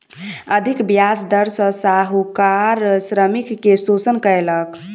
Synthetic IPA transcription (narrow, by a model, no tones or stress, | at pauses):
əd̪ʱikbjasd̪əɾsə̃saɦukaɾsɾəmikːesot͡ʃənkəelək